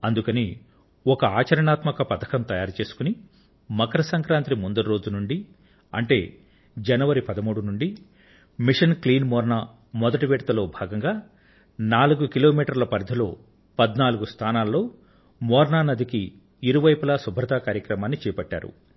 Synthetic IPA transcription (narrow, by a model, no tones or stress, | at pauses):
ɐnd̪ukɐni | ɔkɐaːt͡ʃɐɾɐɳaːt̪mɐkɐpɐt̪ʰɐ̥kɐmt̪ɐjaːɾt͡ʃe̞ːsu̥kuni | mɐkɐɾɐsɐŋkɾaːnt̪ɾimund̪ɐɾɾo̞ːd͡ʒunuɳɖi | ɐ̰ɳʈe̞ː | d͡ʒɐnɐʋɐɾipɐd̪ɐmuːɽunuɳɖi | miʂɐnkliːnmɔːɾɳaː | mɔd̪ɐʈiʋɛːɽɐt̪ɐlo̞ːbʱaːɡɐŋɡaː | naːluɡukilo̞ːmiːʈɐɾlɐpɐɾd̪ʱɐlo̞̰ː | pɐd̪naːluɡust̪ʰaːnaːlɐlo̞ː | mɔːɾɳaːnɐd̪ikiː | ɾuʋɐjpɐlasubʱɾɐt̪aːkaːɾjɐkɾɐmaːnːit͡ʃɛːjɐpɐʈːa̰ːɾṵ